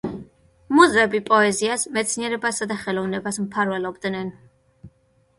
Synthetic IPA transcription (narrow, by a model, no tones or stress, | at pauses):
muzɾɛbipʼɔɛziasmɛt̪sʰniɛɾɛbasad̪aχɛlˠɔvnɛbasmpʰaɾvɛlɔbd̪nɛn